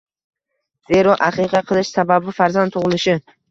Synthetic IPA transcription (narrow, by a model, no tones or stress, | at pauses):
z̥e̞ɾɒʔaqɨqʰɑqʰɨlˠɪʃsababɪfaɾzant̪ʰʊʁɨlˠɪʃɪ